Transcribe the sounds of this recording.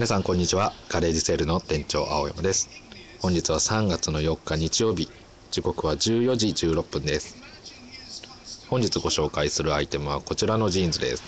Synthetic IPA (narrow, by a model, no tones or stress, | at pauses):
mʲinasãŋkõ̞ɲ̟ːit͡ɕiβaɡ̥aɾe̞ːd͡ʑise̞ɾɯ̟no̞t̪ẽ̞ɲ̟t͡ɕo̞̰ːʔa̰o̞jḛmɯ̟d̪e̞sɨ̥ | hõ̞ɲ̟d͡ʑit͡sɨβ̞asãŋɡat͡sɨno̞jo̞kːaɲ̟it͡ɕijo̞ːbʲi | d͡ʑiko̞kɯ̟βad͡ʑɨːjo̞ʑid͡ʑɨːɾo̞pːɯ̟̃nd̪esɨ̥ | hõ̞ɲ̟d͡ʑit͡sɨɡo̞ɕo̞ːkaisɨɾɯ̟ait̪e̞mɯ̟β̞ako̞t͡ɕiɾano̞ʑĩːnzɨd̪ḛsɨ̥